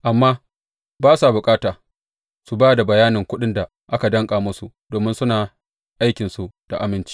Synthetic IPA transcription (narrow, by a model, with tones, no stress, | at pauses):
ʔa˨mːaː˦ | baː˦sa˨bʊ˨kʼaː˦taː˨ | su˨baː˦da˨bɐ˨jaː˦nɪ˨ŋkʷʊ˦ɗɪ˦nda˨ | ʔa˦ka˨dɐ˦ŋkʼaː˨mʊ˦su˦ | d̥oː˨mɪ˦nsʊ˦naː˨ | ʔa˦jkʲɪ˨nsu˨d̥a̰˨ʔa˨mɪ˦nt͡ʃi̥˦